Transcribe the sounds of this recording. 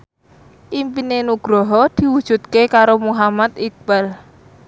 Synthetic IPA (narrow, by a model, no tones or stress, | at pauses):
ʔimpinenuɡ̥ɾɔɦɔd̪̥i̤wud̥ʒ̥ṳt̪̚kekaɾomuɦamat̪ik̚b̥al